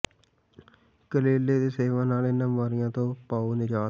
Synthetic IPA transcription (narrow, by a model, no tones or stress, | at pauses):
kəleːleːd̪eːseːʋãːnaːlɪnãːaːɾɪjãːt̪õːpaːuːnɪd͡ʒaː